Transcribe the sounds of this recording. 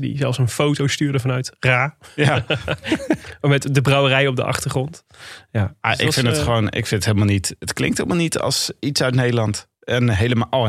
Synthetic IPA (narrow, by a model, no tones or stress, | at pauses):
dḭzɛlˠfsənfowtowstyːɹdəvɑnœɥtraːja | mɛtdəbrɑwərɛjɔb̚də̰ʔɑ̰χtəɹχrɔnt | jaːmaʔɪ̰kfɪndətχəʋownʔɪ̰kfɪndətɦeləmalˠnitətklɪ̰ŋtɦeləmalˠnitʰɑ̰lˠsitsœɥtnejdəlɑnt | ɛnɦejləma